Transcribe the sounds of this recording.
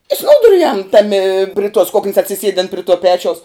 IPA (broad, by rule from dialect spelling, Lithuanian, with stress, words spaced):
ɪ ˈsnuːdʊrʲʊjɛm ˈtɑːmʲɪ pʲrʲɪ tuɔs ˈkʊknʲɪs ɐtʲsʲɪˈsʲiɛdʲɪn pʲrʲɪ tuɔ ˈpʲæːt͡ʃʲɛʊs